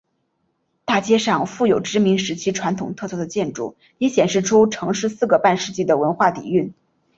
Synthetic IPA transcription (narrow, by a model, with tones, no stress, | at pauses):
t̪a˥˩t͡ɕjɛ˥ʂɑ˥˧ŋfu˥˩jo˨˩ʊʈ͡ʂɻ̩˥mi˧˥ŋʂɻ̩˧˥t͡ɕʰi˥ʈ͡ʂʰwa˧˥nt̪ʰʊ˨˩ŋt̪ʰɤ˥˧t͡swɔ˥˩d̪ə˩t͡ɕjɛ˥˧nʈ͡ʂṵ˥˩ | jɛ˧˥ɕjɛ˨˩nʂɻ̩˥˩ʈ͡ʂʰu˥ʈ͡ʂʰɤ˧˥ŋʂɻ̩˥˧sɹ̩˥˩ɡə˩pa˥˧nʂɻ̩˥˧t͡ɕi˥˩d̪ə˩wə˧˥nxwa˥˩t̪ḭ˨˩y˥˩n